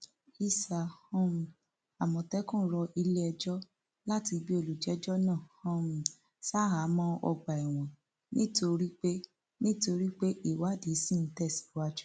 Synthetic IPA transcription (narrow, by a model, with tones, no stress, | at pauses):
i˧sa˨hɔ̃˦ũ˧ | a˨mɔ̃˨tɛ˦kũ˦˨˦ɾɔ˧i˧le˦ɛ˧d͡ʒɔ˦ | la˦ti˧bi˦o˧˨lu˨d͡ʒɛ˨˦d͡ʒɔ˦nãː˦˨hɔ̃˦ũ˧ | sa˦ɦa˨˦mɔ̃˧ɔ̰˧ɡ͡ba˨i˨w̃ɔ̃˨ | nĩ˦to˧ɾi˦k͡pe˦ | nĩ˦to˧ɾi˦k͡pe˦ʔi˦˨wa˨˦di˨˦si˦˨n̩˦tɛ˦˨si̥˨wa˦d͡ʒu˦